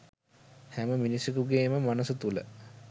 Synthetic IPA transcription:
hæməminisukuɡeːməmanəsət̪ulə̰

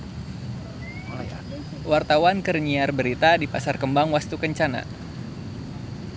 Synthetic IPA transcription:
wart̪awankərɲiarbəɾit̪adipasarkəmbaŋwast̪ukəɲt͡ʃana̰

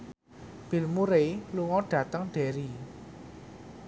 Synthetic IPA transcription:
b̥i̤lmuɾeluŋɔɖ̥ä̤t̪əŋɖ̥ɛ̤ɾi

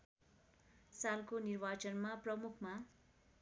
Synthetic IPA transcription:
salkonirbat͡sʌnmaprʌmukʰma

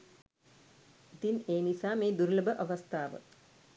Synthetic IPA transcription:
it̪ineːnisaːmeːd̪uɾuləbəʔaʋast̪ʰaːʋə̰

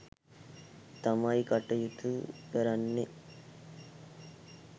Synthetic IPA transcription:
t̪ɐmajkɐʈːɐjut̪upeɾɐnːi

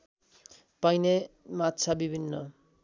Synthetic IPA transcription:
pajnematːt͡sʰabibʱinːʌ

